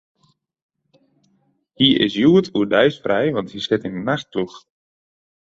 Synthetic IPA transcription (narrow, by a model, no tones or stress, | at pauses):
hiʔɪ̰sjuətʰuədɛjsfrɛjʋɑnthisɪtɪnənaxt̚klux